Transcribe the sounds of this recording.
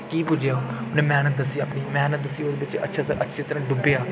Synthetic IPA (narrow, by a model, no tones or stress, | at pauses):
kiːpʊd͡ʒanẽːmɛːnət̪̚d̪əsːiapniːmɛːnət̪̚d̪əsiːoːd̪ebɪt͡ʃə̰tːʃʰaːt̪ʔətːʃʰeːt̪əɾə̃ːɖʊbeaː